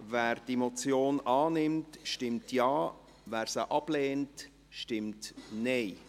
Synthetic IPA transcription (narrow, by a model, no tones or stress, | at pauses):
vɛːɾdemot͡sjoːnɑːnɪmtʃtɪmtjɑː | væːɾsəʔɑb̥leːnt | ʃtɪmtneɪ